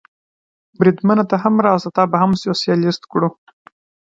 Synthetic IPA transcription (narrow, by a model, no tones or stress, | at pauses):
bɾid̪manat̪aɦamɾɑsat̪ɑbaɦamsjosjɑlɪst̪kɽu